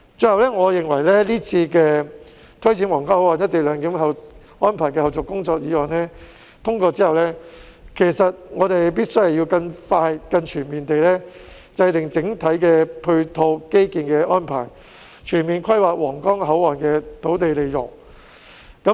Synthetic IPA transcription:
t͡sɵ˧hɐ˨wlɛː˥ŋɔː˨˧jɪ˨ŋwɐ˨˩jlɛː˥liː˥t͡sʰiː˧kɛː˧ | t̪ʰɵ˥ɥt͡sʰiː˨˥nwɔː˨˩ŋkaː˥whɐ˧waː˨˩njɐ˥t̪̚e˨˩lœː˨˧ŋkiː˨˥mɦɐ˨w | ɔː˥npʰaː˨˩jkɛː˧hɐ˨˧wt͡sɔ˨kːʊ˥ŋt͡sɔː˧k̚jiː˨˧wɔː˨˩nɛː˥ | t̪ʰʊ˥ŋkɔː˧t͡siː˥hɐ˨wlɛ˥ | kʰe˨˩jsɐ˨t̚ŋɔː˨˧t̪e˨jp̬iː˥t̚sɵ˥jhwji˧wkɐ˧ŋfaː˧jkɐ˧nt͡ʃʰyː˨˩nmiː˨˩nt̪e˨jlɛ˥ | t͡sɐ˧jt̪ɪ˨ŋt͡sɪ˨˥ŋt̪ʰɐ˨˥jkɛː˧pʰɵ˧ɥt̪ʰo˧wke˥jkiː˨nkɛː˧ʔɔː˥npʰa̰ː˨˩j | t͡ʃʰyː˨˩nmiː˨nkʰɐ˥jwaː˨˩k̚wɔː˨˩ŋkɔː˥ŋhɐ˨˥waː˨˩nkɛː˧t̪ʰo˨˥wt̪e˨jle˨jjʊ˨˩ŋ | kɐ˨˥

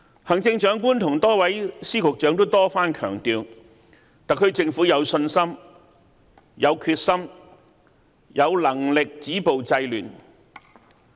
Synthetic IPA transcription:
hɐ˨˩ŋt͡sɪ˧ŋt͡ʃœː˨˥ŋkuː˥nt̪ʰʊ˨˩ŋt̪ɔː˥wɐ˨˥jsiː˥kʰʊ˨k̚t͡ʃœː˨˥ŋt̪o˥wt̪ɔː˥faː˥nkʰœ̰ː˨˩ŋt̪iː˧w | t̪aː˨˩kʰɵ˧ɥt͡sɪ˧ŋfuː˨˥jɐ˨˧wsɵ˧nsɐ˥m | jɐ˨˧wkʰyː˧t̚sɐ˥m | jʔɐ˨˧wlɐ˨˩ŋlɪ˨k̚t͡siː˨˥po˨wt͡sɐ˧jly̰ː˨˩n

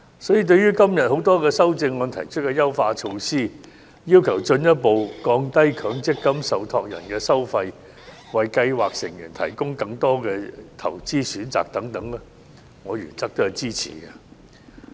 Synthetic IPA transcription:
sɔː˨˥jiː˨˧t̪̬ɵ˧ɥyː˥kɐ˥mjɐ˨t̚ho˨˥wt̪ɔː˥kɛː˧sɐ˥wt͡sɪ˧ŋːɔː˨˧nt̪ʰɐ˨˩jt͡ʃʰɵ˥t̚kɛː˧jɐ˥wfaː˧t͡ʃʰo˧wsiː˥ | jiː˥wkʰɐ˨˩wt͡ʃɵ˧njɐ˥t̚po˨˧wkɔː˧ŋt̪ɐ˥jkʰœː˨˥ŋt͡sɪ˥kːɐ˥msɐ˨wt̪ʰɔː˧k̚jɐ̰˨˩nkɛː˧sɐ˥wfɐ˧j | wɐ˨jkɐ˧jwaː˨k̚sɪ˨˩ŋjyː˨˩nt̪ʰɐ˨˩jkʊ˥ŋkɐ˧ŋt̪ɔː˥kɛː˧t̪ʰɐ˨˩wt͡siː˥syː˨˥nt͡sa̰ː˨k̚t̪ɐ˨˥ŋt̪ɐ˨˥ŋlɛː˥ | ŋɔː˨˧ɥy̰ː˨˩nt͡s̪ɐ˥k̚t̪o˥ɐ˨˩jt͡siː˥t͡sʰḭː˨˩kɐ˧

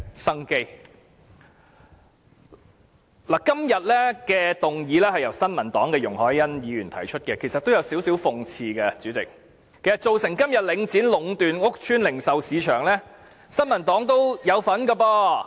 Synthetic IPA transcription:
sɐ˥ŋke˥j | laː˨˩kɐ˥mjɐ˨˩t̚lɛː˥kɛː˧t̪ʊ˨ŋjiː˨˧lɛː˥hɐ˨jɐ˨˩wsɐ˥nmɐ˨˩nt̪ɔː˨˥ŋkɛː˧jʊ˨˩ŋhɔː˨˥jjɐ˥njiː˨˧jyː˨˩nt̪ʰɐ˨˩jt͡ʃʰɵ˥t̚kɛː˧kʰe˨˩jsɐ˨t̪̚o˥wjɐ˨˧wsiː˨˥wsi˨˥wfʊ˨ŋt͡sʰiː˧kɛ˧t͡syː˨˥t͡sɪ̰˨k̚ | kʰːe˨˩jsɐ˨t̚t͡so˨wsɪ˨˩ŋkɐ˥mjɐ˨t̚lɪ˨˧ŋt͡siː˨˥nlʊ˨˥ŋt̪yː˨nŋʊ˥k̚t͡ʃʰyː˥nlɪ˨˩ŋsɐ˨wsiː˨˧t͡ʃʰœː˨˩ŋlɛː˥ | sɐ˥nmɐ˨˩nt̪ɔː˨˥ŋt̪o˥wjɐ˨˧wfɐ˨˥nkɐ˧pɔː˧

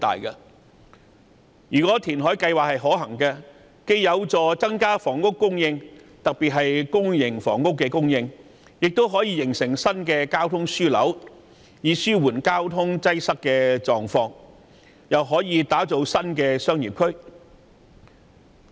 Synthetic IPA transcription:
t̪a̰ː˨jkɐ˧ | jyː˨˩kɔː˨˥t̪ʰiː˨˩nɦɔː˨˥jkɐ˧jwaː˨k̚hɐ˨˩jɦɔː˨˥ɦɐ˨˩ŋkɛ˧ | ke˧jjɐ˨˧wt͡sɔː˨t͡sɐ˥ŋkaː˥fɔː˨˩ŋkʊ˥kːʊ˥ŋjɪ˧ŋt̪ɐ˨k̚piː˨t̚ɦɐ˨jkʊ˥ŋjɪ˨˩ŋfɔː˨˩ŋkʊ˥kːɛː˧kʊ˥ŋjɪ˧ŋ | jɪ˨k̚t̪o˥wɦɔː˨˥jiː˨˧jɪ˨˩ŋsɪ˨˩ŋsɐ˥nkɛː˧kaː˥wt̪ʰʊ˥ŋsyː˥lɐ̰˨˥w | jiː˨˧syː˥wuː˨˩nkaː˥wt̪ʰʊ˥ŋt͡sɐ˥jsɐ˥kkɛː˧t͡sɔː˨ŋfɔː˧ŋ | jɐ˨wɦɔː˨˥jiː˨˧t̪aː˨˥t͡so˨˧wsɐ˥nkɛː˧sœː˥ŋjiː˨˩p̚kʰɵ˥ɥ

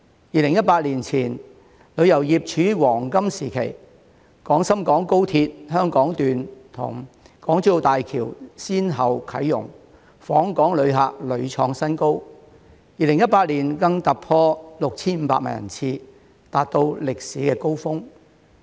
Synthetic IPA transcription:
jiː˨˧lɪ˨˩ŋjɐ˥t̚paː˧t̚liː˨˩nt͡sʰiː˨˩n | lɵ˨˧ɥjɐ˨˩wjiː˨˩p̚t͡ʃʰyː˨˥wɔː˨˩ŋkɐ˥msiː˨˩kʰe˨˩j | kɔː˨˥ŋsɐ˥mkɔː˨˥ŋko˥wt̪ʰiː˧t̚ɦœː˥ŋkɔː˨˥ŋt̪yː˨nt̪ʰʊ̰˨˩ŋ | kɔː˨˥ŋt͡sy˥˧t̪aː˨jkʰiː˨˩wsiː˥nɦɐ˨˩wkʰɐ˨˥jːʊ̰˨˩ŋ | fɔː˨˥ŋkɔː˨˥ŋlɵ˨˧ɥɦaː˨˧k̚lɵ˨˧ɥt͡ʃʰɔː˧ŋsɐ˥nko˥w | jiː˨˧lɪ˨˩ŋjɐ˥t̚paː˧t̚liː˨˩nkɐ˧ŋt̪ɐ˨k̚pʰɔː˧lʊ˨k̚t͡sʰiː˥nm̩˨˧paː˧˥ma̰ː˨˩jɐ̰˨˩nt͡sʰiː˧ | t̪aː˨t̚t̪o˧wlɪ˨k̚siː˨˥kɛː˧ko˥wfʊ˥ŋ

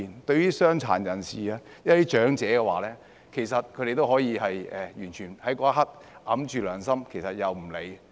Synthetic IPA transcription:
i˨nt̪ɵ˧ɥyː˥sœː˥ŋt͡sʰa̰ː˨˩njɐ˨˩nsiː˨aː˧jɐ˥tiː˦˥t͡ʃœː˨˥ŋt͡sɛː˨˥kɛ˧waː˨˥lɛː˥ | kʰe˨˩jsɐ˨t̚kʰɵ˨˧ɾe˨jt̪o˥whɔː˨˥jiː˨˧hɐ˨jɛː˨jyː˨˩nt͡ʃʰyː˨˩nhɐ˨˥jkʷɔː˧˥a˥ɦɐ˥t̚ʔɐ˨˥mt͡ʃyː˨lœː˨˩ŋsɐ˥mkʰe˨˩jsɐ˨t̚jɐ˨wm̩˨˩le˨˧j

